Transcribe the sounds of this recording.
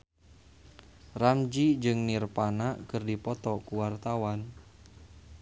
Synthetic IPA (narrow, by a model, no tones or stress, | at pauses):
ramd͡ʒid͡ʒɨŋnirpanakɨrdipɔt̪ɔkuwart̪awan